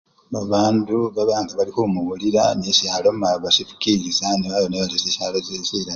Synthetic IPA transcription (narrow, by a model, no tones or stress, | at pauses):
βaβaːnduβaβaːndiβalihumuβuliɾa̰neʃaːlomaβaʃifu̥kiɾizaniβaβoneβaliseʃalozeʃiɾa